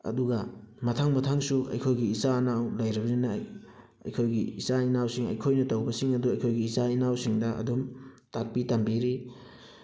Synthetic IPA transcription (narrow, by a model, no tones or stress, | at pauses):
ɐ̰duɡɐmɐtʰaŋmɐtʰaŋsuɐ̰jkʰojɡiːsanawlɐjɾɐbɐninɐ | ɐ̰jkʰojɡiːsainawsiŋɐjkʰojnɐtɐwbɐsiŋɐduɐjkʰojɡiːsainawsiŋdɐʔɐ̰dum | tak̚pitɐmbiɾi